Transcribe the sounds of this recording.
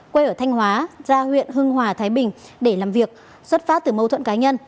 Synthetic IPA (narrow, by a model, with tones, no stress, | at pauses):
kwe˧ʔəː˧˩t̪ʰa˧jŋ̟ɦwaː˨˦zaː˧hwḭ˧˨ənɦɨ˧əŋɦwaː˨˩t̪ʰaː˨˦jɓï˨˩ŋ̟ɗe˧˩laː˨˩mvi˨˩ək̚ | swə˦˥t̚faː˦˥t̚t̪ɨ˨˩mə˧wt̪ʰwə̰˧˨nkaː˨˦ɲə˧n